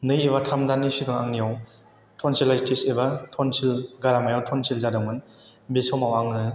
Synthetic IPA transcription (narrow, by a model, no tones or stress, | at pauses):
nɯjibatʰamdanːisiɡɯŋaŋnijaw | tʰɔnsʰilajtʰisebatʰɔnsʰilɡaɾamajawtʰɔnsʰilzadɯŋmɯn | bisɔwmawaŋɯ